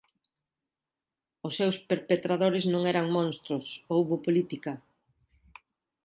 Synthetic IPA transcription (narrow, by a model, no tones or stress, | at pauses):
ʊsːewspeɾpet̪ɾaðoɾɪznõŋɛɾɐŋmõnst̪ɾʊsowβʊpolit̪ikɐ